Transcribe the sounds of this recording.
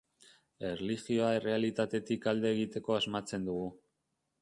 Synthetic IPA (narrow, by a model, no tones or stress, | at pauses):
e̞rlixio̞ae̞re̞alit̪at̪e̞t̪ikald̪e̞ːɣ̞it̪e̞ko̞azmat͡se̞nd̪uɣu